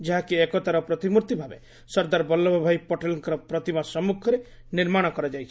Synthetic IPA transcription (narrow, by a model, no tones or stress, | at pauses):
d͡ʒeɦakiekɔt̪aɾɔpɾɔt̪imuɾt̪ibʱabe | sɔɾd̪aɾbɔlːɔbʱɔbʱajpɔʈelɔŋkɔɾɔpɾɔt̪imasɔmukʰɔɾe | niɾmaɽ̃ɔkɔɾad͡ʒajt͡ʃʰi̥